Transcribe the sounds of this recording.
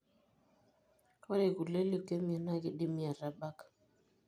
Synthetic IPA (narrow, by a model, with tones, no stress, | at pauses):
twa˦ɾi˨ɣu˨lɛ˦li˦˨kɛ˦mi˨a˨na˦ɣi˨ɗi˦mi˦a˨ɾa˨ɓa˦kḁ˨